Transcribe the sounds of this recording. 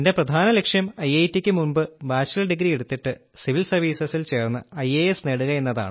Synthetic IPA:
inde̞prɐd̪ʱaːnɐle̞kʂjɐmɐjejtːikʲːɨmumbɨbaːt͡ɕɐlɐlɖiɡɾieɽut̪ːiʈːɨsiʋilsɐrʋiːsɐsilt͡ɕe̞ːrnːɐ̰ɐjeesneɽuɣɐe̞nːɐða̰ːɳɨ

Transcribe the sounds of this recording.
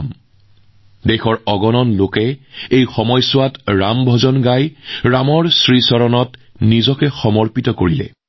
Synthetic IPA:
m | dɛxɔɹɔɡɔnɔnlokɛejxɔmɔjsʊwatɹambʱɔzɔnɡajɹamɔɹsɹisɔɹɔnɔt | nizɔkɛxɔmɔɹpitɔkoɹilɛ̰

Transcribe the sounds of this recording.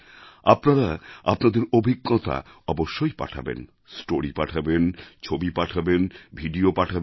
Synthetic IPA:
apnaɾaapnad̪eɾobʱiɡːɔt̪ʰa̰ | ɔboʃːojpa̰ʈʰa̰bḛn | sʈoɾipaʈʰabent͡ɕʰobipaʈʰabenbʱiɖiopaʈʰab

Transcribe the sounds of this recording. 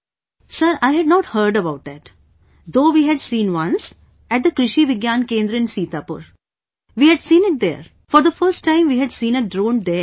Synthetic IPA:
səɾaɪɦɛɖ̚nɔːʈhəɾɖəbaʊʈ̚d̪æʈ | d̪oːʋiːɦɛɖsĩːnʋʌ̃ns | æʈ̚d̪əkɾɪʃiʋɪɡjãːnkẽːnd̪ɾəɪ̃nsiːt̪aːpʊ̰ɾ | ʋiːhɛɖsĩːnɪʈ̚d̪ḛːɾ | fɔɾd̪əfəɾsʈːãɪ̃mʋiːɦɛɖsĩːnəɖɾõːnd̪e

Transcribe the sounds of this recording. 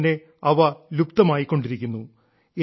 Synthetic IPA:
ne̞ | ɐʋɐlupt̪ɐmaːjikːo̞ɳɖiɾikʲːunːu | e

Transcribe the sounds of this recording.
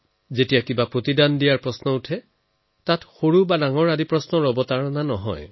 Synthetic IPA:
zetijakibapɹotidandijaɹpɹɔsnɔutʰɛ | tatxoɹubadaŋɔɹadipɹɔsnɔɹɔbɔtaɹɔnanɔɦɔ̰j

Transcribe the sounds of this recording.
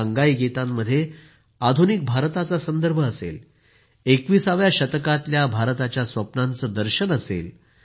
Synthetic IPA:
aŋɡaiɡit̪amːəd̪ʱːje | ad̪ʱunik̚bʱaɾt̪at͡sasənd̪əɾbʱəːsḛl | ekʋiːsaʋjaɕət̪kat̪ljabʱaɾt̪at͡ɕjasʋəpnãnt͡səd̪əɾɕənəsḛl

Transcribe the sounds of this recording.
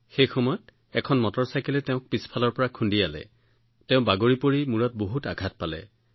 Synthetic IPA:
xejxɔmɔjɔt | ɛkʰɔnmɔtɔɹsajkɛlɛtɛʊ̃k̚pispʰalɔɹpɔɹakʰundialɛ̰ | tɛʊ̃baɡoɹipoɹimuɹɔt̚boɦuta̰ɡʱat̚palɛ̰

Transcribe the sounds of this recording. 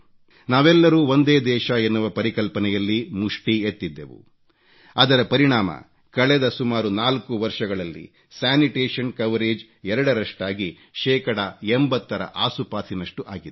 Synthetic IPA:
naːʋɛlːɐɾuːo̞nd̪eːd̪ɛːʃɐenːuʋɐpɐɾikɐlpɐnɛjɐlːimuʂʈiet̪ːid̪ːḛʋṵ | ɐd̪ɐɾɐpɐɾiɳaːmɐ̰ | kɐɭɛd̪ɐsumaːɾunaːlkuʋɐɾʂɐɡɐɭɐlːḭ | saːniʈeːʂɐnkɐʋɾeːd͡ʒ | ɛɾɐɽɐɾɐʂʈaːɡi | ʃɛːkɐɽɐembɐt̪ːɐɾɐ̰ʔaːsupaːt̪ʰinɐʂʈuʔaːɡid̪

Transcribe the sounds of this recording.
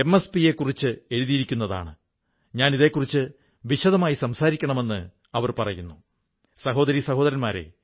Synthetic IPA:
emːespije̞kːurit͡ɕːɨe̞ɻuðijiɾikʲːunːɐða̰ːɳɨ | ɲaːniðe̞kːurit͡ɕːɨ | ʋiɕɐðɐmaːjisɐmsaːɾikʲːɐɳɐme̞nːɨ | ɐʋɐrpɐrɐjunːu | sɐɦo̞ːd̪ɐɾisɐɦoːðɐɾɐnmaːɾe̞̰

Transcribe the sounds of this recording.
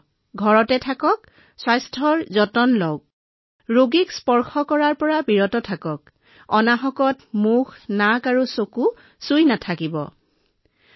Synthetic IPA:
ɡʱɔɹɔtɛtʰakɔk | swajstʰɔɹzɔtɔnlɔwk̚ | ɹoɡikspɔɹxɔkɔɹaɹpɔɹabiɹɔtɔtʰakɔk | ɔnaxɔkɔtmuxnakaɹusoku | sujnatʰakibɔ̰

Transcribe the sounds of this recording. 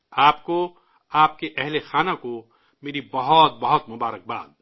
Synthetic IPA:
aːpko | aːp̚keʔɛɦlexaːnako | meːɾibɐɦɔt̪̚bɐɦɔt̪mʊbaːɾək̚ba̰ːd̪̚

